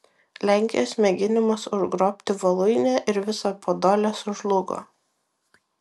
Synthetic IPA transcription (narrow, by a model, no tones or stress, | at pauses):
lʲæˑŋʲkʲɪjoːsmʲɛɡʲɪnʲɪmɐsʊʒɡɾoːpʲt̪ʲɪʋɐlˠʊɪnʲɛːʔɪɾʋʲɪsɑpʰoːd̪oːlʲɛsʊʒlˠʊɡo̰ː